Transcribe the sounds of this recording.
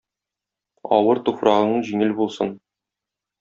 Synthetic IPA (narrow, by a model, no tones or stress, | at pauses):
ɒ̰wɤɾt̪ufrɑʁɤ̆nɤɴʑiŋɘlbulˠsɤn